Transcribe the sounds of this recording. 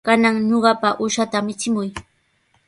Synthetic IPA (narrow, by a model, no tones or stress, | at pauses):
kanaŋɲoɢɑpaʔʊʃat̪aːmɪt͡sɪmʊj